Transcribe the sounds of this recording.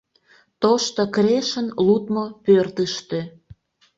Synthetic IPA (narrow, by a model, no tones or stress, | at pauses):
t̪oʃt̪okɾeʃənlut̪mopørt̪əʃt̪ø